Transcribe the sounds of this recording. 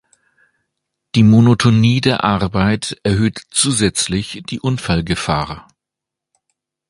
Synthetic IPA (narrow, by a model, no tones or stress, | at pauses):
d̥iːmonotʰoniːdeːɐʔaʁbaɪtʔɛɐɦøːtt͡suːzɛt͡slɪçd̥iːʔʊnfalɡəfa̰ːʁ